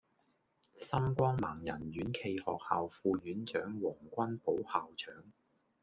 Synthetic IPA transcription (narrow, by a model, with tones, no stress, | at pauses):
sɐ˥mkʷɔː˥ŋmaː˨˩ŋjɐ˨˩nɥyː˨˥nkʰe˧jhɔ̰ː˨k̚ha̰ː˨wfuː˧jyː˨˥nt͡ʃœː˨˥ŋwɔː˨˩ŋkʷɐ˥npo˨˥whaː˨wt͡ʃʰœː˨˥ŋ